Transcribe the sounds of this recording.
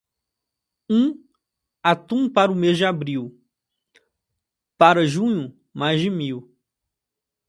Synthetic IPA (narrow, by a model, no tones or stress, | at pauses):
ũ | at̪ũpaɾʊmezd͡ʒɪabɾiw | paɾɐʒũɲʊ | majzd͡ʒɪmiw